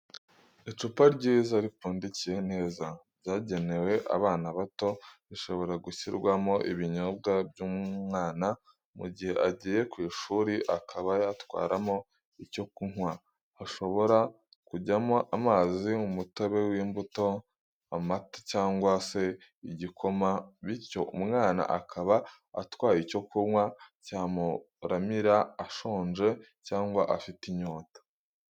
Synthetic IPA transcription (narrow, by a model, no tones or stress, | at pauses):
it͡ʃupaɾɟiːzaɾipuːndicije̞n̥e̞ːzabɟaːɟe̞ne̞we̞ʔa̰βaːnaβato̞βiʃo̞βo̞ɾaɡuçiɾɡwamo̞ʔiβiɲob̚ɡabjuːmmŋaːna | mṵɟihe̞ʔaɟiːje̞kwiːʃuːɾiʔakʰaβajatwa̰ːɾamo̞ | ico̞kuŋ̥waː | ʃo̞βo̞ɾa | kuɟamoʔamaziumutoβe̞wiːmbuto̞ | amatḁcaːŋɡwase̞ | iɟikʰo̞maβiɾco̞umŋaːna̰ʔakʰaβa̰ː | twaːjico̞kuɾŋwacaːmu | ɾamiɾaːʃo̞ːnʒe̞ | caːŋɡwaʔafitiɲoːtḁ